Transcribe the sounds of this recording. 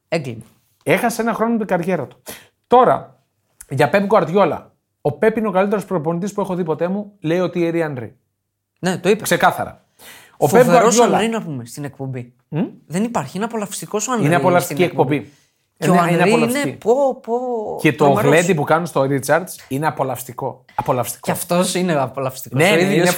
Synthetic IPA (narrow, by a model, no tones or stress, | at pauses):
eŋɡlinɐ | e̞xɐseenɐxɾo̞not̪iɡɐɾʝe̞ɾɐt̪u̥ | t̪o̞ɾɐ̰ | ʝɐpe̞pɡoɐɾðʝo̞lɐ̰ | o̞pe̞pino̞kɐlit̪eɾo̞spɾopo̞nit̪ispue̞xo̞ðipo̞t̪e̞mule̞io̞t̪ieɾiɐnd̪ɾḭ | net̪oipekse̞kɐθɐ̰ɾɐ̰ | o̞peboɐɾosʝolɐɾinɐpumest̪inek̚pombi | m̩ðenipɐɾçienɐpo̞lɐfst̪ikosoɐndineɐpolɐfst̪iciek̚po̞bi | neoeineɐiolɐsieipopocet̪oɣle̞d̪ipukɐnust̪oɾit͡sɐɾd̪sineɐpo̞lɐfst̪iko̞ | ɐpo̞lɐfst̪i̥koɐft̪osineɐpolɐfst̪ikoneiine